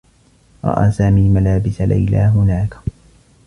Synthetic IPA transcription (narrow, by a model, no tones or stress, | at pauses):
ɾˤɑ̰ʔaːsaːmiːmalaːbɪsala̰jlaːɦʊnaːk